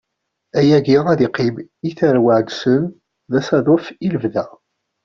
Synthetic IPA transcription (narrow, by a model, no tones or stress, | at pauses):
æjæɡiʁæðiqɪbiθæɾwəʕɡ̪sən | ðæsæðˤofiləvðæ